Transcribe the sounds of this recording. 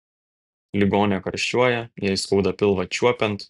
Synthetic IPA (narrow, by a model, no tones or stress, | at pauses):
lʲɪɡoːnʲɛkɐɾʲʃʲt͡ʃʲuɔjɛjɛɪskuʊd̪ɐpʲɪlˠʋɐt͡ʃʲuɔpʲɛnt̪